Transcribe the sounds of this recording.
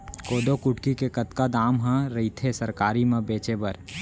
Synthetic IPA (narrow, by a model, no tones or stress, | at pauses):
koːd̪okʊʈkikekɐt̪kad̪aːmɦãɾɐit̪ʰesɐɾkaːɾimẽbeːt͡ʃebɐɾ